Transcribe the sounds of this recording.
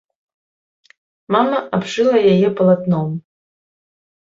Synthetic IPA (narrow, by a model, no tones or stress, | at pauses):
mamɐʔabʐɨlˠɐjajɛpɐlˠat̪nɔm